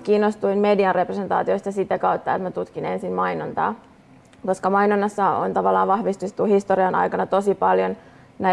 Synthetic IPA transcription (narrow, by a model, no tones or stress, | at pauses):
kiːnːost̪uinmediɑnreprese̞nt̪ɑ̰ːt̪ioist̪ɑsit̪ækɑwt̪ːɑet̪mæt̪ut̪kine̞nsinmɑinont̪ɑ̰ː | ko̞skɑmɑjnonːɑsːɑo̰nt̪ɑʋɑlːɑ̰ːʋʋɑhʋist̪ut̪ːuhist̪oriɑnʔɑ̰jkɑnɑt̪o̞sipɑljon | næ